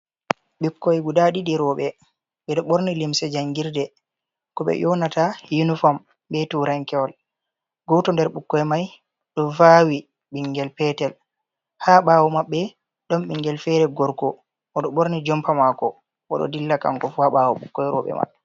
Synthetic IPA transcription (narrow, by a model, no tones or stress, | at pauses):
ɓikːɔjɛɡudaɗiɗiɾɔːɓɛ | ɓɛɗɔɓoɾnilimsɛd͡ʒaŋɡiɾdɛ | kɔɓɛ̰jɔnatajunifɔm | bɛtuɾaŋkɛwɔl | ɡɔtɔndɛɾɓukːɔjmaj | ɗɔvawi | ɓiŋɡɛlpɛtɛl | haɓawɔmaɓːɛ | ɗɔmɓiŋɡɛlfɛɾɛɡɔɾkɔ | ʔɔɗɔɓoɾnid͡ʒɔmpamakɔ | ʔɔ̰ɗɔ̰dilːaka̰ŋkɔfuhaɓaːwɔɓukːɔjɾɔ̰ːɓɛ̰ma̰ɓːɛ